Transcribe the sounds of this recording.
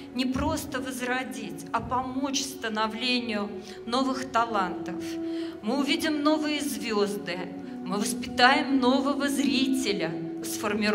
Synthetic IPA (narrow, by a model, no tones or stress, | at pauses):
nʲɪpɾo̞st̪əvəzrɐdʲitʲɐpɐmo̞t͡ɕʲfst̪ənɐvlʲenʲɪjʊ | no̞vɨxt̪ɐlˠant̪əfmɨʊvʲidʲɪmno̞vɨjəzvʲozd̪ɨ | mɨvəspʲɪt̪ajɪmno̞vəvəzɾʲitʲɪlʲə | sfərmʲɪ